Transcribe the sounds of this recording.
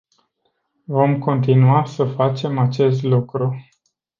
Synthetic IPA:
vo̞mko̞nt̪inuasəfat͡ʃe̞mat͡ʃe̞st̪lukɾu

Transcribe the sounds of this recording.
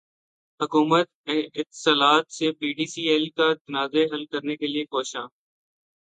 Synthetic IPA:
ɦʊkuːmət̪̚ɛ̃ːʔɪt̪ːɪ̥saːlaːt̪sepiːɖiːsiːeːlkat̪ənaːzeɦəlkəɾnekelɪiekoːʃãː

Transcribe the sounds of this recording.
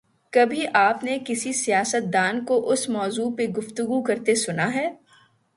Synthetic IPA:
kɐbʱiʔaːpnekɪsisijaːsət̪̚d̪aːnkoʔʊsmɔːzuːpeɡʊft̪ʊɡukɐɾt̪esʊnaɦɛː

